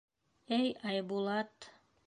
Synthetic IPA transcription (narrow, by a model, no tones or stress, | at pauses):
ejɑjbulˠɑt̪